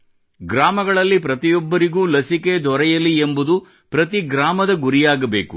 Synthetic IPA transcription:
ɡɾaːmɐɡɐɭɐlːipɾɐt̪ijɔbːɐɾiɡuːlɐsike̞d̪ʱɔɾɛjɐliembud̪u | pɾɐt̪iɡɾaːmɐd̪ɐɡuɾijaːɡɐbe̞ːku

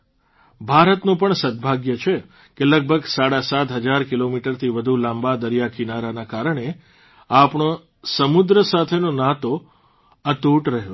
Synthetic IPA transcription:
bʱaɾət̪nũpəɳsəd̪̚bʱaɡjət͡ʃʰe | keləɡ̚bʱəɡsaɽasat̪ɦəd͡ʒaɾkilomiʈəɾt̪ʰiʋəd̪ʱulãmbad̪əɾijakinaɾanakaɾəɳe | apɳo | səmud̪ɾəsat̪ʰenonat̪o | ət̪uʈɾəɦo

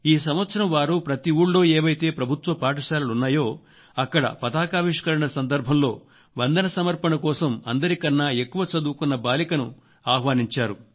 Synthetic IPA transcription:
iːs̬ɐmʋɐt̪sʰɐɾɐmʋaːɾupɾɐt̪iuːɽlo̞ːeːʋɐjt̪e̞ːpɾɐbʱut̪ʋɐpaːʈɐʃaːlɐlunːaːjo̞ː | ɐkːɐɽɐ̰pɐd̪aːkaːʋiʂkɐɾɐɳɐsɐnd̪ɐɾbʱɐmlo̞ː | ʋɐnd̪ɐnɐsɐmɐɾpɐnɐkɔːsɐmɐnd̪ɐɾikɐnːaːe̞kːuʋɐt͡ʃɐd̪uːkunːɐbaːlikɐnu | aːɦʋaːniɲt͡ʃaːɾu

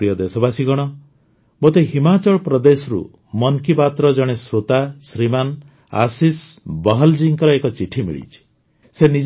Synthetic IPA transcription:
ɾijɔd̪esɔbasiɡɔɽ̃ɔ | bot̪eɦimat͡ʃɔɭpɾɔd̪esɔɾṵ | mɔnkipat̪ɾɔd͡ʒɔɽ̃esɾot̪asɾiman | a̰sisbɔɦɔld͡ʒiŋkɔɾɔekɔt͡ʃiʈʰimḭɭḭt͡ʃʰi̥ | senid͡ʒ

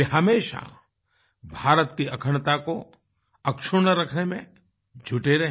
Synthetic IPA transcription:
eɦɐmeːʃa̰ | bʱaːɾət̪kiɐkʰəɳt̪ako | ɐkʃʊɾnəɾɐkʰnemẽ | d͡ʒʱʊʈeɾɐɦ

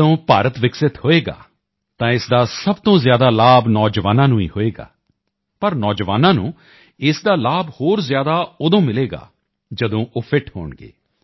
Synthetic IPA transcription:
õːpaːɾət̪ʋɪksɪt̪hoːeːɡa̰ː | t̪ãːɪsd̪aːsəbt̪õːzjaːd̪aːlaːbnɔːd͡ʒʋaːnãːnũːḭːhoːeːɡa̰ː | pəɾnɔːd͡ʒʋaːnãːnũː | ɪsd̪aːlaːbhoːɾzjaːd̪aːʊd̪õːmɪleːɡa̰ː | d͡ʒəd̪õːʔoːpʰɪʈho̰ːɳɡḛː

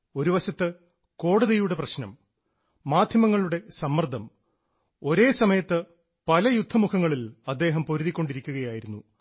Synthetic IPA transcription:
o̞ɾuʋɐɕɐt̪ːɨ | ko̞ːɽɐðɐjuɽe̞prɐɕnɐmː | aːd̪ʱjɐmɐŋːɐɭuɽe̞sɐmːɐrd̪ʱɐm | o̞ɾe̞ːsɐmɐjɐt̪ːɨ | pɐlɐjud̪ʱːɐmukʰɐŋːɐɭilɐd̪ːe̞ːɦɐmpo̞ɾuðikʲːo̞ɳɖiɾikʲːuɣɐjaːjiɾunːu

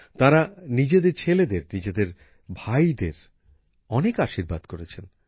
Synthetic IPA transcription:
t̪aɾanid͡ʑed̪eɾt͡ɕʰeled̪eɾnid͡ʑed̪eɾ | bʱajd̪eɾ | ɔnekaʃiɾbad̪koɾet͡ɕʰen

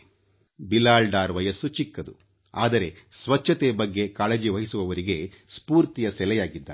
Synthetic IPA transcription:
bilaːɭɖaːɾʋɐjɐsut͡ʃikːɐd̪u | a̰ːd̪ɐɾe̞sʋɐt͡ʃʰːɐt̪ebɐɡːe̞kaːɭed͡ʒiʋɐɦisuʋɐʋɐɾiɡe̞spuːɾt̪ijɐsɛlɛjaːɡid̪ːa̰ː

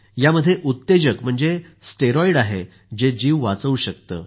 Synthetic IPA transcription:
jaməd̪ʱːjeʔut̪ːed͡ʑəkm̤əɳd͡ze | sʈeɾɔiɽaɦe | d͡ʑed͡ʑiːʋʋat͡səuɕək̚t̪ə̰ː

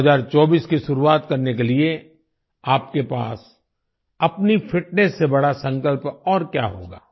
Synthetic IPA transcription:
zaːɾt͡ʃɔːbiːskiʃʊɾuaːt̪kɐɾnekelie | aːp̚kepaːs | ɐpnifʰɪʈnesːebɐɽasɐ̃ŋkəlpɔːɾkja̰ːɦo̰ːɡa̰ː

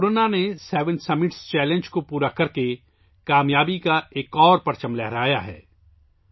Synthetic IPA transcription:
oɾoːnanesɛːʋə̃nsɐmɪʈst͡ʃɛːlẽnd͡ʒkopuːɾakɐɾke | kaːmjaːbikaeːkɔːɾpɐɾt͡ʃəmlɛɦɾaːjaɦɛ̰ː

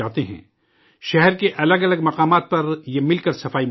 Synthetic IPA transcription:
aːɦt̪eɦɛ̰̃ː | ʃɛɦɛɾkeʔɐləɡɐləɡmɐqaːmaːt̪̚pɐɾjemɪlkəɾsɐfaːi

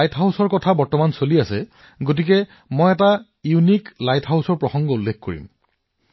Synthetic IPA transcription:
jtʰɦawsɔɹkɔtʰabɔɹtɔmansoliasɛ | ɡot̬ik̬ɛ | mojɛta | juniklajtʰɦawsɔɹpɹɔxɔŋɡɔulːekkoɹḭm

